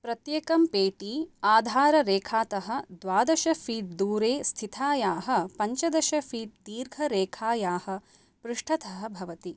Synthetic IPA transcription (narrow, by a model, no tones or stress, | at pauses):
pɾɐt̪jeːkɐmpeːʈiːaːd̪ʱaːɾɐɾeːkʰaːt̪ɐɦɐ̆d̪ʋaːd̪ɐʃɐfʰiːd̪uːɾeːst̪ʰit̪ʰaːjaːɦɐ̆pɐɲt͡ʃɐd̪ɐʃɐfiːt̪̚d̪iːɾɡʱɐɾeːkʰaːjaːhɐ̆ | pɾuʂʈʰɐt̪ɐɦɐ̆bʱɐʋɐt̪i